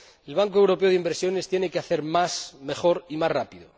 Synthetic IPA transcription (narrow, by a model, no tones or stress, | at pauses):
e̞lβ̞aŋkoe̞wɾo̞pe̞o̞ðimbeɾsjo̞ne̞st̪je̞ne̞keaθe̞ɾmasme̞χo̞ɾimasrapiðo̰